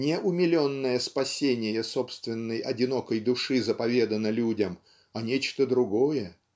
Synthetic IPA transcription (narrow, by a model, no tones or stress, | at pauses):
nʲɪʔʊmʲɪlʲonːəjəspɐsʲenʲɪjəsopst̪vʲɪnːəjɐdʲɪno̞kəjd̪ʊʂɨzəpɐvʲe̞d̪ənəlʲudʲəm | ɐnʲet͡ɕt̪əd̪ɾʊɡojə